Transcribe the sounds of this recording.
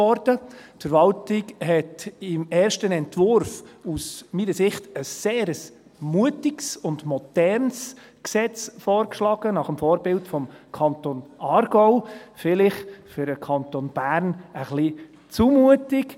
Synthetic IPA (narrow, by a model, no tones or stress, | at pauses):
ɔɾd̥ətfəɾʋɑltɪkɦɛtɪmɛːɾʃtənɛntʋʊɾfusmiːnəsɪχtəsːeːɾəs | muətɪksʊndmɔdɛɾns | ksɛt͡sfɔːɾkʃlɑːɡ̥ənɑχəmfɔːɾbɪltfɔmkʰɑntonɑːɾɡɔʊfɪlɪχfʏɾəkʰɑntonb̥æːɾnəχli | t͡sumuətɪk